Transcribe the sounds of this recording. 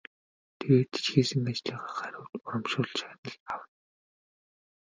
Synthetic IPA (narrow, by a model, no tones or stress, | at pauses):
t̪ʰeɣeːt̪i̥t͡ɕxiːsɘ̆ŋat͡ɕɮiːʁaːχæɾʲʊ̆ːt̪ʊɾɞ̆mʃʊːɮt͡ɕaːnə̆ɮawə̆n